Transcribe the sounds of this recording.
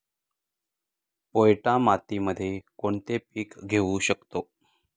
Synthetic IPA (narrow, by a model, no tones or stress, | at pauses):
pojʈãmat̪iməd̪ʱːjekoɳt̪epiːkɡʱeuɕəkt̪o